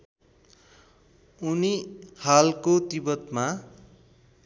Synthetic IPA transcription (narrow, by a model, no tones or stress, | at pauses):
unihalkot̪ibʌt̪ma